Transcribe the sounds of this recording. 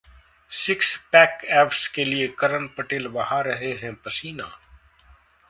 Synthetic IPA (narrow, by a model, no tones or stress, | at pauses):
sɪkspɛːkɛːfskeliekɐɾəɳpɐʈeːlʋɐɦaɾɐɦeɦɛ̃pɐsiːna̰ː